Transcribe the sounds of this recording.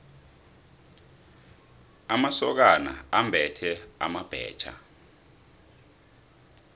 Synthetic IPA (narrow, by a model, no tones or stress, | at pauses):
amasɔk̬ana̰ambʱɛtʰɛa̰mab̥ʱɛ̰ːt͡ʃʰʼa̰